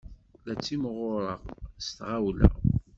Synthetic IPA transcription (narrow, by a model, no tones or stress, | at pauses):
læt͡sːimʁʊɾˤəʁst̪ʁawlæ̰